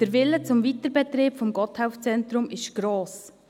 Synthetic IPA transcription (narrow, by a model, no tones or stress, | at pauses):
d̥əɾʋɪlːət͡sʊmvitəɾbɛtɾeːpfɔmɡɔthaʊft͡sɛnt̪ɾʊmɪʃɡ̥ɾoːs